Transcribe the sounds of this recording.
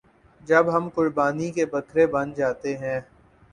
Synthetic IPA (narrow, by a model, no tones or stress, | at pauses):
d͡ʒɐbɦɐmkʊɾbaːnikebɐkɾebɐ̃nd͡ʒaːt̪eɦɛ̃ː